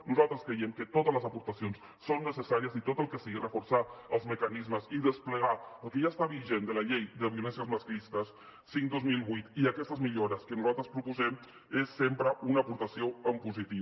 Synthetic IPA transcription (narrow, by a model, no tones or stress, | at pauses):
nuzalˠt̪ɾəskɾejɛmkət̪ot̪əzləzəpuɾt̪əsions | sonːəsəsaɾiəzit̪ot̪əlˠkəsiɣirəfuɾsaəlˠzməkənizməziðəspləɣaəlˠkəʒast̪aβiʒend̪ələʎejd̪əβiulɛnsjəzməsklist̪əsː | iŋkd̪ozmilˠβujt̪iəkɛst̪əzmiʎoɾəskənuzalˠt̪ɾəspɾupuzɛm | esːempɾəunəːpuɾt̪əsioəmpuzit̪i